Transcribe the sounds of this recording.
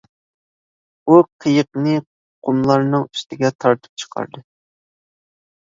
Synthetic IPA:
uqʰəjəq̚nɨ | qʰʊmlˠɑɾnɨŋy̥st̪ʰɪɡʲɛt̪ʰɑɾt̪ʰɨ̥p̚t͡ʃʰə̥qʰɑ̰ɾd̪ɨ

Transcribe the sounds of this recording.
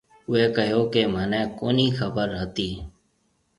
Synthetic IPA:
ʊeːkəɦjoːkeːmənẽːkoːniːxəbəɾɦət̪iː

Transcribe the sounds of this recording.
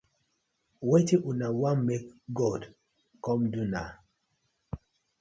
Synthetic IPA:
wetiʔunawamːekɡɔd | kɔmduna̰

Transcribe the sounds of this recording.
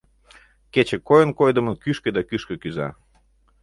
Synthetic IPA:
ket͡ɕĕkojənkojd̪ə̆mənkyʃkĕd̪ɑkyʃkə̆kyzɑ̰

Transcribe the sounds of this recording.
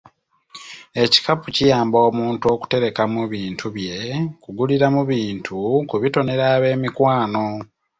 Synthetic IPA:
e̞ci̥kapucijaːmbo̞ːmuːntuo̞ku̥te̞ɾe̞kamuβiːntʰuβje̞kuɡuliɾamuβiːntʰukuβito̞ne̞ɾaːβe̞ːmikwaːno̞

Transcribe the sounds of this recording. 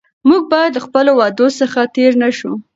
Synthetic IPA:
muɡ̚bɑjad̪ləxpəlowɑd̪osəxat̪eɾnaʃu

